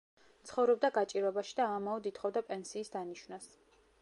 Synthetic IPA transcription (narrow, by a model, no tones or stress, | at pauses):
t̪sʰχɔvɾɔb̚d̪aɡat͡ʃʼiɾɛbaʃid̪aːmaɔd̪it̪ʰχɔvd̪apʼɛnsiːsd̪aniʃvnas